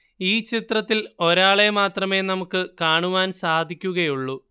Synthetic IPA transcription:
iːt͡ɕit̪rɐt̪ːilo̞ɾaːɭe̞maːt̪rɐme̞ːnɐmukːɨkaːɳuʋaːnsaːd̪ʱikʲːuɣɐjuɭːu

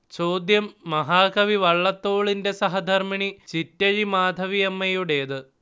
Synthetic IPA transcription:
t͡ɕo̞ːd̪jɐmːɐɦaːkɐʋiʋɐɭːɐt̪ːo̞ːɭinde̞sɐɦɐd̪ʱɐrmiɳit͡ɕitːɐɻimaːd̪ʱɐʋijɐmːɐjuɽe̞ːðɨ

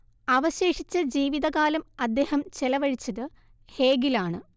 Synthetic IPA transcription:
ɐʋɐɕe̞ːʂit͡ɕːɐd͡ʑiːʋiðɐɣaːlɐmɐd̪ːe̞ːhɐmt͡ɕelɐʋɐɻit͡ɕːɐðɨ | he̞ːɡilaːɳɨ

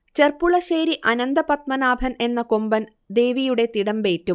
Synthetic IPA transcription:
t͡ɕerpuɭɐɕeːɾiʔɐnɐnd̪ɐpɐt̪mɐnaːbʱɐne̞nːɐkombɐn | d̪e̞ːʋijuɽe̞t̪iɽɐmbe̞ːtːu

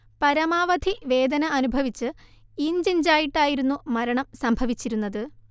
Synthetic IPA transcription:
pɐɾɐmaːʋɐd̪ʱiʋe̞ːd̪ɐnɐːnubʱɐʋit͡ɕːɨiɲd͡ʑind͡ʑaːjiʈːaːjiɾun̪ːumɐɾɐɳɐmsɐmbʱɐʋit͡ɕːiɾunːɐðɨ

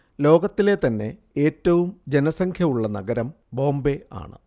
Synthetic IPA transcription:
lo̞ːɡɐt̪ːile̞t̪ɐnːe̞ | eːtːɐʋumd͡ʑe̞nɐsɐŋkʰjɐuɭːɐnɐ̰ɡɐɾɐm | bo̞ːmbe̞a̰ːɳɨ̰

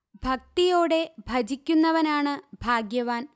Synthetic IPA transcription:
bʱɐk̚t̪ijo̞ːɽe̞bʱɐd͡ʑikʲːunːɐʋɐnaːɳɨbʱaːɡjɐʋaːn

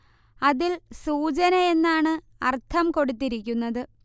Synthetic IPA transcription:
ɐðilsuːt͡ɕɐnɐe̞nːaːɳɨ | ɐrt̪ʰɐmko̞ɽut̪ːiɾikʲːunːɐðɨ

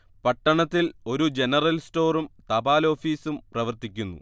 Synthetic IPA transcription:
pɐʈːɐɳɐt̪ːilo̞ɾud͡ʑe̞nɐrɐlsto̞ːrumt̪ɐbaːlo̞ːfiːsumprɐʋɐrt̪ikʲːunːṵ

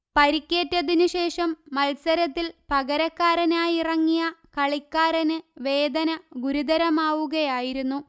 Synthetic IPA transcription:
pɐɾikʲːe̞ːtːɐðinɨɕe̞ːʂɐmːɐlsɐɾɐt̪ːilpɐɣɐɾɐkːaːɾɐnaːjirɐŋːijɐkɐɭikːaːɾɐnɨʋe̞ːd̪ɐnɐɡuɾud̪ɐɾɐmaːʋuɣɐjaːjiɾunːu

